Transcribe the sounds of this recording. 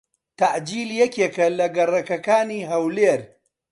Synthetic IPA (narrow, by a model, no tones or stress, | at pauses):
t̪aʕd͡ʒiːljɛkekɐlɐɡɐrɐkɐkaːniːɦɐwleːɾ